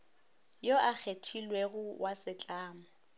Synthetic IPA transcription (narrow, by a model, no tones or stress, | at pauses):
joʔak͡xʰetʰilweɣʊwʔasɪt͡ɬʼaːmʊ